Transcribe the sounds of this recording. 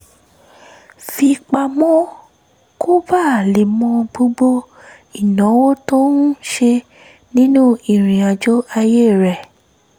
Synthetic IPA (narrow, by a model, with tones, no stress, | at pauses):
fi˧k͡pa˧mɔ̃˦ | kʰo˦ba˦˨le˨mɔ̃˧ɡ͡bo˧ɡ͡bo˦ | i˨nɔ̃˨˦wo˦to˦n̩˦ʃe˧ | nĩ˦nũ˦i˨ɾ̃ĩ˨a˨d͡ʒo˦a˧je˦˨ɾɛ˨